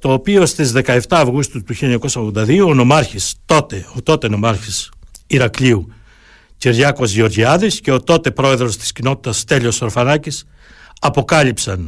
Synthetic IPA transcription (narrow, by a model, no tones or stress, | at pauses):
t̪o̞ːpio̞st̪izðe̞kɐe̞ft̪ɐːvɣust̪ut̪uçiʎɐɲɐko̞sɐoɣðo̞nd̪ɐðio̞ːno̞mɐɾçist̪o̞t̪eot̪o̞t̪e̞no̞mɐɾçisiɾɐkliu | ciɾʝɐko̞zʝio̞ɾʝiɐðisce̞o̞t̪o̞t̪e̞pɾo̞e̞ðɾo̞st̪i̥scino̞t̪i̥t̪ɐst̪e̞ʎeosoɾofɐnɐcis | ɐpo̞kɐʎipsɐn